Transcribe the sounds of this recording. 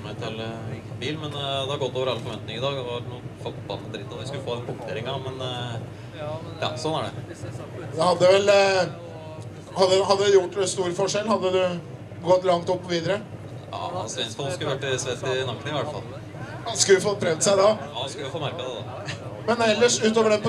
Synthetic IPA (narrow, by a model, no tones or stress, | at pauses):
mɛt̪ʰɑlːəɪŋːənbiːlmɛnd̪ɛhɑɾɡɔt̪ːoːʋəɾɑlːəfɔɾʋɛnt̪nɪŋəɪd̪ɑːɡd̪ɛʋɑɾuːfɔt̪b̥ɑ̰lɑt̪ɾɪt̪ːɔt̪ʋɪskʉləfoːɛnpʰʊpt̪eːɾɪŋɑmɛn | ɑ̰sɔnːæɖɛ̰ | d̪ɛhɑd̪ːəʋɛl | hɑd̪ːəɦɑd̪ːəd̪ʉjʊʈːst̪uːɾəfɔʂɛlːhɑd̪ːəd̪ʉ | ɡɔt̪ːlɑŋt̪ɔpːɔʋiːd̪əɾə | ɑ̰ɑsɛnsfɔlskʉləʋæʈːɪsʋɛt̪ːɪnɑkːənɪʋæʈːfɑ̰lː | skʉlːfɔt̪̚ːpʰɾɛʋt̪sæɪd̪ɑɑskʉlʋfoːmæɾkɑd̪ɛd̪ɑ̰ | mɛnɛlːəʂʉːt̪oːʋəɖɛp